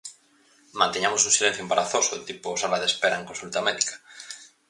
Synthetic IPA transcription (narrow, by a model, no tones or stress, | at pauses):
mãnt̪eɲamosunsilẽn̟θjoembaɾaθosot̪iposalaðespeɾaeŋkonsult̪amɛðikḁ